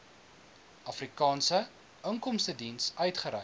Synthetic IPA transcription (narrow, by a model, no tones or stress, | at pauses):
ʔɐfrikɑːnsə | əŋkɔmstədinsœɥtχəɾɛ